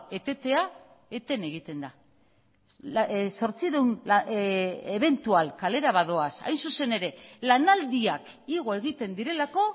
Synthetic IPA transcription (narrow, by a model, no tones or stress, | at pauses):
e̞t̪e̞t̪e̞a | e̞t̪e̞ne̞ɣ̞it̪e̞nd̪a | so̞ɾt͡siðewnl | eβ̞e̞nt̪ualkale̞ɾaβaðo̞asa̰jnsuse̞ne̞ɾe̞lanald̪iak | iɣ̞o̞e̞ɣ̞it̪e̞nd̪iɾe̞lako̞